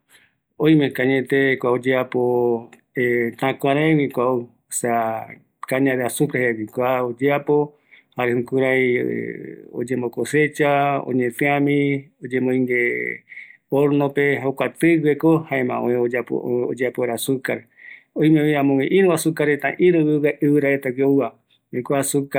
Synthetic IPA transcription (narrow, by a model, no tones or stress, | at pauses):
õj̃mekaɲẽt̪ekʷaod͡ʒeapo | et̪ãkʷãɾẽwikʷau | osea | kaɲãɾeasupɾehewikʷaod͡ʒeapo̞ | haɾehũkuɾaj̰ | o̰d͡ʒẽmbokose̞t͡ʃaõ̰ɲẽt̪ẽãmĩod͡ʒemõĩŋɡe | oɾnopeɦokʷat̪ɨɡekohaemã̰õẽoao̰od͡ʒeapoeɾasukaɾ | oj̃meãmõŋẽʔĩɾũasukaɾet̪ã̰ʔĩɾɨwɨwaʔɨwɨɾaet̪awiowa | wĩkʷasuka